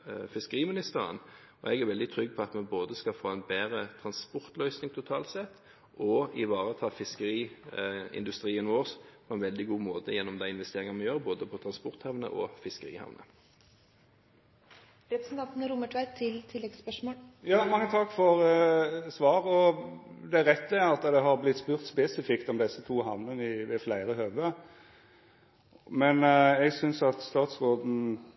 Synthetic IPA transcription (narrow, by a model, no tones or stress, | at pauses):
fɪskəʁiːmɪnɪst̪əʁə̰n | ɔɛɡæɾʋɛld̪ɪt̪ʰɾʏɡːpʰɔɑt̪mɛboːd̪əskɑfoːɛnbeːɾət̪ʰɾɑnspɔʁt̪lœʏsnɪŋt̪ʰʊt̪ʰɑːlt̪sɛt̪ː | ʔɔɪʋɑːʁət̪ʰɑːfɪskəʁiː | ɪ̰nd̪ʉst̪ʁiːənʋoːʁspʰɔɛnʋɛld̪ɪɡuːmoːt̪əjɛnːɔmd̪æɪɪnʋɛst̪eːʁɪŋɑnmɛjøːʁboːd̪əpʰɔt̪ʰʁɑnspɔʁt̪hɑʋnə̰ʔɔ̰fɪskəʁḭːhɑ̰ʋnə̰ | ɾɛpɾəsn̩t̪ɑnt̪nəɾʊməʈʰʋæɪt̪t̪ʰɪlt̪ʰɪlːɛɡspœʂmoːljɑːmɑŋːət̪ʰɑkːfɔɾəsʋɑːɾɔd̪ɛæɾɛt̪ːəæɾɑt̪ːd̪ɛɦɑɾblɪt̪ːspʉːɾt̪spɛsɪfɪkt̪ɔmd̪ɛsːət̪ʰuːɦɑʋnənɪʋɛflæɪɾəhøːʋə | mɛnɛɡsʏnsɑt̪st̪ɑːt̪sʁoːd̪n̩